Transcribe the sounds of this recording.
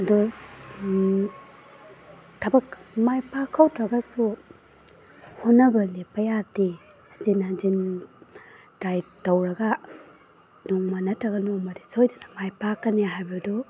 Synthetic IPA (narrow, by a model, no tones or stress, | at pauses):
ɐdu | tʰɐbɐkmajpakʰːawtʰɾɐɡɐsu | hunːɐbɐlepɐjati | zinɐzin | tɾajtːɐwɾɐɡa | noŋmɐnɐtɾɐɡɐnoŋmɐdisojdanɐmajpakːɐneɦajbadu